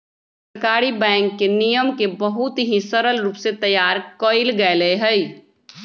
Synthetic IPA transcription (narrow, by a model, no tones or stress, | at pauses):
ss | əɾkaːɾibɛ̃ːŋkːenijəmkebəɦʊt̪ɦisəɾəlɾuːpset̪ɐjːaːɾkoːɪlɡɐeleeɦəi